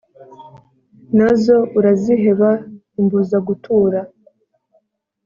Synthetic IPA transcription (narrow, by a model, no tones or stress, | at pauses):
nazo̞uɾaziɦe̞βa | imbuzaɡutʰuːɾa